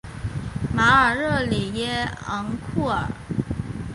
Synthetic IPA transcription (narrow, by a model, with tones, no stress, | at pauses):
ma˧˥ə˞˨˩ɻɤ˥˩li˨˩jɛ˥ɑ̰˧˥ŋkʰu˥˩ə̰˞˨˩˦